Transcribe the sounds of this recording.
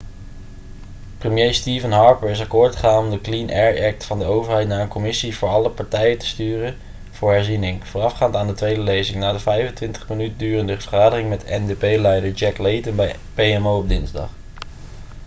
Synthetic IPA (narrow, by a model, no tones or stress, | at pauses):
prəmjejstiːvənɦɑɹpəɹɪs̬ɑkʊːɹtχəχaːnɔmdəklinʔɛɹɛk̚tfɑndəowvəɹɦɛjtnaːɹənkɔmɪsivʊːɹɑləpɑɹtɛjətə̥styːrə | v̥ʊːɹɦɛɹzinɪŋv̥ʊːrɑfχaːntaːndətʋejdəlejzɪŋnaːdəvɛjvəntʋɪntə̥χmənytəndyːrəndəvvəχaːdəχɪŋmɛtɛ̰ndepejlɛjdəɹd͡ʒɛklejtənbɛj | pejɛmowɔb̚dɪnzdɑ̰χ